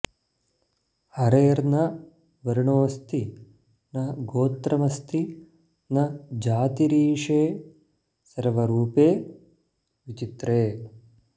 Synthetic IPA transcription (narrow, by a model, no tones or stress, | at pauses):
hɐɾeːɾnɐ | ʋɐɾɳoːʋɐst̪i | nɐɡoːt̪ɾɐmɐst̪i | nɐd͡ʒaːt̪iɾiːʂeː | sɐɾʋɐɾuːpeː | ʋit͡ʃit̪ɾeː